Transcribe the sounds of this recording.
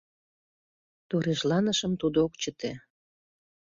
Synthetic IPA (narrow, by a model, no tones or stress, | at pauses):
t̪oɾeʒlɑnəʃəmt̪ud̪ookt͡ɕət̪e